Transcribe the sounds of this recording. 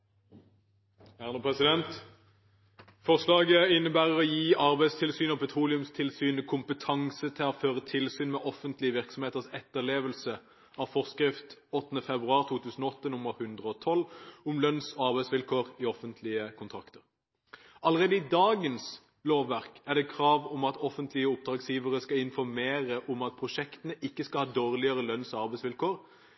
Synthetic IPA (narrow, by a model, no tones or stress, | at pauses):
æʁnəpʰʁɛsɪd̪ɛnt̪ | fɔʁʂlɑːɡəɪnːəbæːʁəʁɔjiːʔɑʁbæɪst̪ʰɪlsyːnɔpʰɛt̪ʰʁuːlɪʉmst̪ʰɪlsyːnəkʰʊmpət̪ʰɑŋsət̪ʰɪlɔføːʁət̪ʰɪlsyːnmɛːʔɔfənt̪lɪəʋɪʁksɔmeːt̪əʁsɛt̪ːəʁleːʋəlsə | ɑːʋfɔʁskʁɪft̪ɔt̪ːən̩əfɛbʁʉɑːʁt̪ʰuːt̪ʰʉːsn̩oɔt̪ːənʊməʁhʉnd̪ʁəɔt̪ʰɔlʊmlœnsɔɑʁbæɪsʋɪlkʰoːʁiɔfənt̪ʰlɪəkʰʊnt̪ʰɾɑkt̪əʁ | ɑləʁeːd̪əɪd̪ɑːɡəns | loːʋːæʁkæʁd̪ɛːkʰʁɑːʋʊmɑt̪ʰɔfənt̪ʰlɪəʊp̚d̪ɾɑːɡsjiːʋəʁəskɑɪnfɔɾmeːɾəʔʊmɑt̪̚pʰʁʊʂɛkt̪ənəʔɪkːəskɑlhɑːd̪oːʁlɪəʁəlœnsɔɑʁbæɪsʋɪlkoːɾ